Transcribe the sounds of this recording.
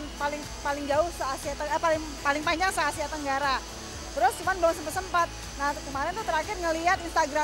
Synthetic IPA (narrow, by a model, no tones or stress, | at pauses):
npalɪŋ | palɪŋd͡ʒaʊhsaasiat̪əpalɪŋ | palɪŋpaɲd͡ʒaŋsaːsiat̪əŋɡaɾa | t̪əɾʊst͡ʃumanbawansəmpat̪səmpat̪̚ | nakəmaɾɛnt̪ut̪əɾakɪrŋəliat̪inst̪aɡɾa